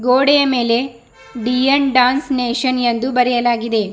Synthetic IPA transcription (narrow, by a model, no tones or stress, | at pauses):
ɡoːɽɛjɐme̞ːle̞ | ɖiɐnɖaːnsneːʃɐnend̪ubɐɾɛjɐlaːɡid̪e̞